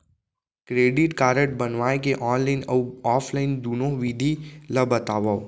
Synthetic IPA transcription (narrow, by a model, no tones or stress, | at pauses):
kɾeːɖiʈkaːɾəʈ̚bənʋaːẽkeʔɔːnlainəwɔːpʰlaɪnd̪uːnoʋid̪ʱiləbət̪aːʋaw